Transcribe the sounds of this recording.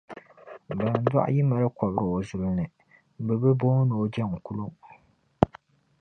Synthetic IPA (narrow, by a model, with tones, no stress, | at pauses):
ba˨n˨da̰˦ʔji˦ma˨ɾɨ˦kɔ˨bɾɨ˨o˨zʊ˨lɨ˦nɨ˨ | bɛ˨bɨ˦boː˦no˨d͡ʒɛ˦˨ŋ˨ku˦lo˦